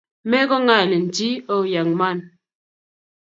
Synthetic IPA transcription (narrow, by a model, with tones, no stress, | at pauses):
mɛ˦ɡɔ˦ŋa˦˨le˨n̩˨ti˦ɔ˦˨ja˨ŋma˦˨n